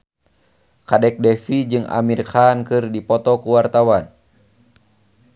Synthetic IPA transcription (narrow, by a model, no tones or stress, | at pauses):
kadɛk̚dɛfid͡ʒɨŋa̰mirkankɨrdipɔt̪ɔkuwart̪awan